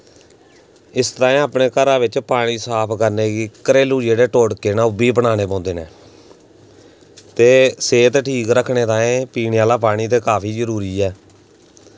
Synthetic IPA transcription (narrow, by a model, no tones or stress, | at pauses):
ɪst̪ãːẽːaːpɳeːkəɾaːʋɪt͡ʃpaːɽ̃iːsaːpʰkəɾneːɡiːkəɾeːlũːd͡ʒeːɽeːʈoːɽkeːnãːʊbiːbəɳaːneːpɔ̃ːnd̪eːneː | t̪eːseːt̪ʈʰiːkɾəkʰːɳeːt̪ãːẽːpiːnːaːlaːp̬aːɽ̃iːt̪̬eːkaːpʰiːzəɾuːɾiːɛː